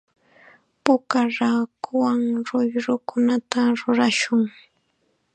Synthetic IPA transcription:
pʊkaɾaːkʊwaŋɾʊjɾʊkʰʊnat̪aɾʊɾaʃʊŋ

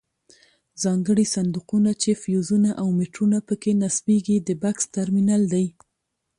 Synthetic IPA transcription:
zɑŋɡəɽisand̪uqunat͡ʃefjuzunaʔawmɪʈɾunapəkenasbeɡid̪əbakst̪aɾminald̪aj

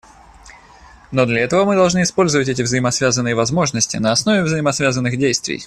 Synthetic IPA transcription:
no̞d̪lʲɐɛt̪əvəmɨd̪ɐlˠʐnɨɪspo̞lʲzəvətʲɛt̬ʲɪvzəjɪmɐsvʲazənːɨjəvɐzmo̞ʐnəsʲtʲɪ̰nəɐsnovʲɪvzəɪmɐsvʲazənːɨxdʲejst̪vʲɪ̰j

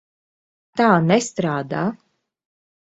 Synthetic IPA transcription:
t̪aːnɛst̪ɾaːd̪aː

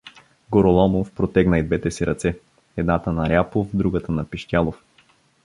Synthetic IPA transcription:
ɡoɾolˠɔmofpɾot̪ɛɡnɐid̪vɛt̪ɛsiɾɐt̪sɛ | ɛd̪nat̪ənɐɾʲapofd̪ɾuɡət̪ənɐpiʃtʲjalˠof

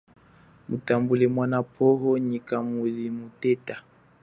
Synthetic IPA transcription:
mutambulɛmwanapʰɔɦɔɲikamulimutɛta

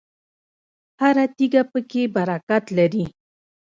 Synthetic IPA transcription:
haɾat̪iɡapəkebaɾakat̪laɾi

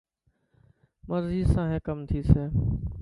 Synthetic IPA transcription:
məɾziːsãːɦẽːkəmt̪ʰiːseː

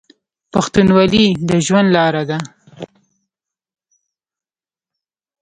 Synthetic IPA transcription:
paxt̪unwɑlid̪əʒwand̪lɑɾad̪a

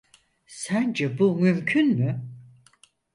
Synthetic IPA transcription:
sænd͡ʒɛbumymcʰynmy

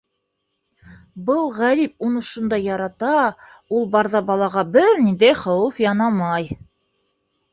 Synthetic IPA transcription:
bɤlˠʁæɾip̚unɤ̆ʃund̪ɑjːɑɾɑt̪ɑulˠbɑɾzɑbɑlˠɑʁɑbɘɾnind̪æjχɑwɤfjɑnɑmɑj

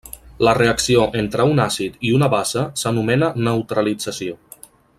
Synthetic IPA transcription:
ləreəksioʔent̪ɾəunasit̪iunəβasəsənumɛnənəwt̪ɾəlid͡zəsio

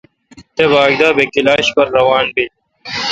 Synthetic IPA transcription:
t̪ebaːɡd̪aːbekilaːɕpɐɾːɐwaːnbil

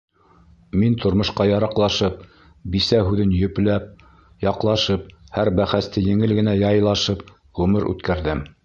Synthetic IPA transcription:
mint̪ŏɾmŏʃqɑjɑɾɑqlˠɑʃɤp̚ | bisæɦʉðɘnjɵ̆plæp̚ | jɑqlˠɑʃɤp̚hæɾbæχæst̪ɘjɘ̆ŋɘlɡɘ̆næjɑjlˠɑʃɤp̚ | ʁʉmɘɾʔʉ̰t̪kæɾðɘm

